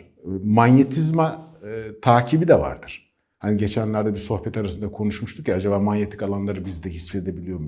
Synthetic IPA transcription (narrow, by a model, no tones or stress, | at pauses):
manjet̪ʰizmat̪ʰaːcʰibid̪ɛva̰ɾd̪ɯɾ̥ | haniɟe̞t͡ʃʰænlʲæɾd̪ɛbiɾso̞xpɛt̪ʰaɾasɯnd̪akʰo̞nuʃmuʃt̪ʰukcaad͡ʒabaːmanje̞t̪ʰi̥kalˠanlˠaɾɯbizd̪ɛɦisfe̞d̪e̞bilʲijo̞ɾm